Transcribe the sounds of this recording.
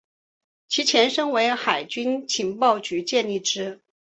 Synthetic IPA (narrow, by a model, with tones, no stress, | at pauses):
t͡ɕʰi˧˥t͡ɕʰjɛ˧˥nʂɤ˥ŋwe˧˥ɪxa˨˩ɪt͡ɕy˥nt͡ɕʰi˧˥ŋpɑ˥˩ʊt͡ɕy˧˥t͡ɕjɛ˥˧ni˥˩ʈ͡ʂɻ̩˥